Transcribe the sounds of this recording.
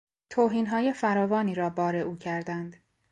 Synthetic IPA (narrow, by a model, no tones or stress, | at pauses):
t̪ʰoːɦiːnɦɒːje̞fæɾɒːvɒːniːɾɒːbɒːɾeʔuːcʰæɾd̪ænd̪̥